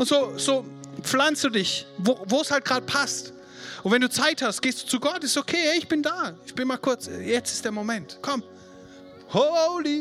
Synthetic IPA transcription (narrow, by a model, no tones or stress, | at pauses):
ʔʊntz̥oːz̥oːp͡flanstd̥uːdɪçvoːvoːɛshalt̚ɡ̥ʁaːdəpʰast | ʔʊntvɛnduːt͡saɪthastɡ̥eːsd̥uːt͡suɡɔtɪssokʰeːhɛɪçb̥ɪndaːɪçb̥ɪnmaːlkʰʊɐt͡sjɛt͡stɪ̥std̥eːɐmomɛntkʰɔm | holi